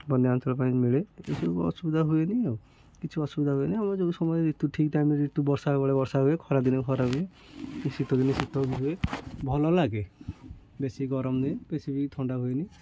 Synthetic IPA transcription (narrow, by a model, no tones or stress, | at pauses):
bɔndeantɔlɔp̬aĩmiɭeḛsuɔ̰subid̪ʱaɦuenie | kit͡ʃʰuɔsubid̪ʱaɦueniamɔɾd͡ʒoɡusɔmɔjd͡ʒit̪ːuʈʰikt̪aamiiʈːubɔɾsabɔɽebɔɾsaɦuekʰɔɾad̪inɔkʰɔɾaɦue | isit̪ɔd̪inisit̪ɔbiɦuebʱɔlɔlaɡe | besiɡɔɾɔmd̪iepesipikt̪ʰɔɳɖaɦueni